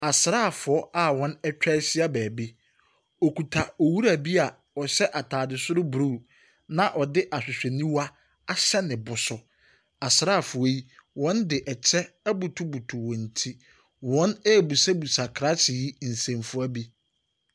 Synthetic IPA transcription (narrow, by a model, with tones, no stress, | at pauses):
a˨sɪ˨ɾa˦˨fʊ˨ɔ˦a˦wɔ̃˦nɛ˦t͡ɕᶣɛ˦sɪ˦a˦bɛː˨bi˦ | o˨kʰu˨tʰa˨ɔ˨wu˦ɾa˨bi˦a˨ | ɔ˨ɕɛ˦ʔa˨tʰaː˨dɪ˨sʊ˦ɾʊ˦bɾu˦˨ | nã˨ʔɔ˨dɪ˦ʔa˨sᶣʊ˨sᶣɛ˨nĩ˦wa˦ | a˨ɕɛ˦nɪ̃˨bʊ˨sʊ˨ | a˨sɪ˨ɾaː˦˨fʊ˨o˦ji˦wɔ̃˦ndɪ˨ʔɛ˨t͡ɕʰɛ˦æ˦bu˨tʰu˦bu˨tʰu˨wɔ̃˨n̩˨tʰi˦ | wɔ̃˦nɛ˦˨bu˨sa˦bu˨sa˨kʰɾa˦sɪ˨ji˦n̩˨sẽ˨mfʊ˦æ˦bi˦